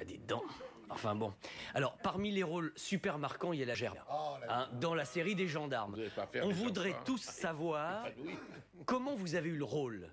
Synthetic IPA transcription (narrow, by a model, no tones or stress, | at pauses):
ad̪ed̪ɑ̃ | ɑ̰̃fɛ̃bɔ̰̃alɔʁpaʁmileʁolsypɛʁmaʁkɑ̃iljalaʒɛʁɛ̃d̪ɑ̃laseʁid̪eʒɑ̃d̪aʁmɔ̃vud̪ʁɛt̪usːavwaːʁ | kɔmɑ̃vuzaveyləʁol